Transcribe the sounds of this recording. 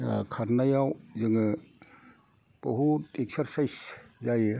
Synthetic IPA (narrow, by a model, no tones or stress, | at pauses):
kʰaɾnajawzɯŋɯ | b̥ɔɦuteksɐɾsajszaj